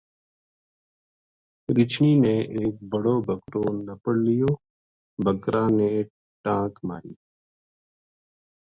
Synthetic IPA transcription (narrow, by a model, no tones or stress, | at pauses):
ɾɪt͡ʃniːnẽːʔeːk̚bəɽoːbʱəkɾoːnəpəɽlɪjoː | bʱəkɾãːneː | ʈãːkma̰ːɾḭː